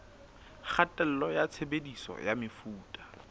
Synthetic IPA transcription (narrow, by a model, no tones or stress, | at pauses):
χʰatʼɛl̩lɔjat͡sʰebedisɔ̰jamɪfuːtʼḁ